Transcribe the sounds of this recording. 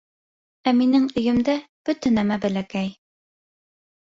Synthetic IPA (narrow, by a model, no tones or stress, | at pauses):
æminɘŋɵ̆jɘ̆md̪æb̥ɵ̆t̪ɘnæmæbæ̆lækæj